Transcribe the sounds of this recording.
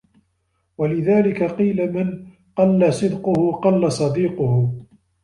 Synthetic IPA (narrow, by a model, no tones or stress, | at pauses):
walɪðaːlɪkaqiːlaman | qɑlːasˤɨd̪qʊhʊqɑlːasˤɑd̪iːqʊhʊ